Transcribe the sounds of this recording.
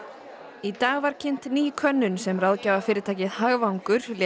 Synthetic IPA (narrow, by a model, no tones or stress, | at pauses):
it̪aːɣvaɾ̥cʰɪn̥t̪niːkʰvœnːʏnsɛmrawðcaːvafɪːɾɪt̪ʰaːjcɪðhaɣvawŋkʏɾ̥l